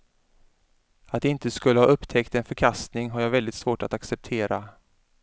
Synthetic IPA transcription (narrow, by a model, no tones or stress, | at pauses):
at̪̚d̪ɛɪnt̪əskɵlːəha̰ːʔɵpːt̪ʰɛkt̪ɛnfœɾkʰast̪nɪŋɦaɾjaːɡvɛld̪ɪt̪svoːʈat̪aksɛp̚t̪ʰeːɾa